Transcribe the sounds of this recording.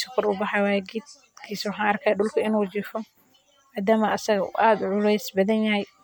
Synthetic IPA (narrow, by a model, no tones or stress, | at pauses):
sɐ̥kʰɔrʊbɑħɑjwɑːjɛɡɪːd̪ | kʰiːswɑħɑːnɐrkʰaːjɖʊlkʰɐɪnuːt͡ʃɪfɔ | maːd̪aːmɐʔɐsɐɣɐ̰ʔaːd̪ʕʊlɛjsbɐðɐnjɐɦɛj